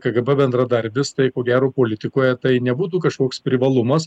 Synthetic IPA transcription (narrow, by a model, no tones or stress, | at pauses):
kɐɡɐbɐbʲɛnd̪ɾɐd̪ɐɾʲbʲɪst̪ɐɪkoːɡʲæːɾoːpoːlʲɪt̪ʲɪkoːjɛt̪ɐɪnʲɛbuːt̪uːkɐʃkoɔkspʲɾʲɪʋɐlˠʊmɐs